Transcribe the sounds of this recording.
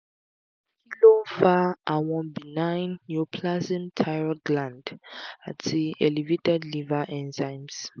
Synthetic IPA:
ilofaʔawɔ̃nbinãɪ̃nːjopʰlazĩmtʰajɹɔɡlãndatʰiɛlivetɛdlivaʔɛ̃nzãɪ̃ms

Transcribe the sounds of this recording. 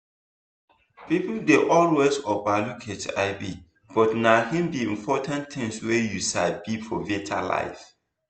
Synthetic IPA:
pipl̩deʔɔlwezɔbalukʰetaɪbi | b̥ɔtnahĩmbiĩmpʰɔtʰãnt̪ʰɪ̃ŋswejusabifʰɔvietʰa̰la̰ɪf

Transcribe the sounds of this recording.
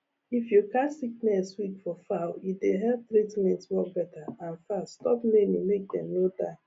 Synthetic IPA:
ifjukasik̚nɛswikfɔfaʊideɦɛlp̚tɾitmɛ̃ntswɔbɛtaãnfastɔpmemimek̚d̪ɛ̰̃mnoda

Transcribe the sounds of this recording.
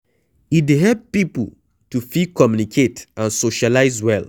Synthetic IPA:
idɦɛp̚pipṵ | tufikʰɔmjunikʰetãnsoʃalaɪzwɛl

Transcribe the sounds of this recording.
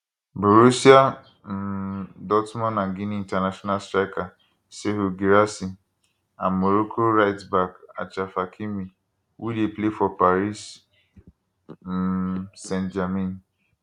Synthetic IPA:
boɾusia | m̩dɔtmɔ̃nãŋɡiniintanaʃɔnastɾaɪka | seɦuɡiɾasi | ammoɾokʰoɾaɪtsbaka̰t͡ʃafakʰimi | wʔudeplefɔpaɾis | sẽntd͡ʒamĩn

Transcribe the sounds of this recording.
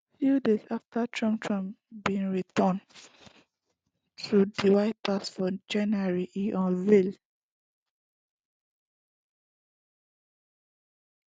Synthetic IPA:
fjudesaftatʰɹɔ̃mptʰɹãmbĩnɹitɔ̃n | tɹudiwaɪtasfɔd͡ʒãnaɹiʔiʔɔ̃nvil

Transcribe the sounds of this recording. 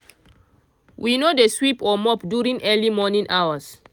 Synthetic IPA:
wʔinodeswipʰɔmɔpdjuɹĩŋʔɛlimɔnĩnʔawas

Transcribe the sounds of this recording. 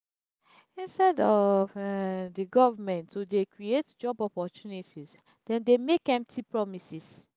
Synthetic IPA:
ĩnstɛdɔvdiɡɔvamɛ̃ntːudekɹietd͡ʒɔbɔpɔtunitis | dɛ̃ndemekɛ̃mp̚tʰipɹɔmisis

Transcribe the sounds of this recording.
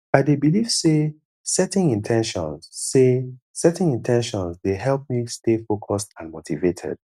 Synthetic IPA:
aɪdebiliv̥se | sɛtɪ̃nĩntʰɛ̃nʃɔ̰̃nsːe | sɛtɪ̃ŋĩntʰɛ̃nʃɔ̃nzdeɦɛlˠp̚mistefokʰɔstãnmotʰivetʰɛ̰d̥

